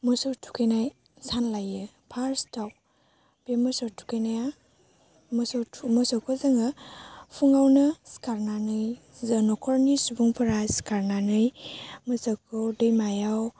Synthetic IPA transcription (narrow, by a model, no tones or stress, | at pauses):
mɔsɯwtʰu̥kʰenaj | sanlajɯ | pʰaɾstaw | pemɯsɔtʰu̥kʰejnaja | mɔsɔtʰmɔsɔwkʰɔzɯŋapʰuŋawnɯskaɾnanɯj | zanɔkʰɔɾnisubuŋpʰɯɾajskaɾnanɯjmɯsakʰɔdɯjmajaw